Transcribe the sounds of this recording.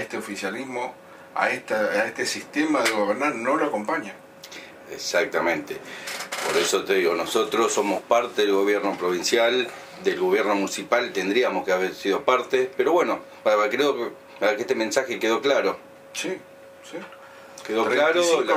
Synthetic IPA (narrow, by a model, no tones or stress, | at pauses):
eht̪eofisjalizmo | a̰et̪aaet̪esist̪emaðeɣoβeɾnaɾnoloako̞mpaɲa | esak̚t̪amẽ̞nt̪epo̞ɾesot̪eðiɣo̞noso̞t̪ɾosːo̞mo̞spaɾt̪eðelɣo̞βjeɾno̞pɾo̞β̞insjal | d̪e̞lɣo̞βjeɾno̞munisipalt̪end̪ɾiamoskeaβeɾsiðo̞paɾt̪epeɾo̞βwe̞no̞ | aβeɾkɾeok | aβeɾkeeht̪emẽ̞nsaxe̞ke̞ðo̞klaɾo̞ | si | si | keðoklaɾo